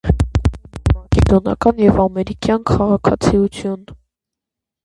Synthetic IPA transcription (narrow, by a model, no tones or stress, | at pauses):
mɑkɛd̪ɔnɑ̰kɑnjɛvɑmɛɾikjɑnkʰɑʁɑkʰɑt͡sʰiut͡sʰjun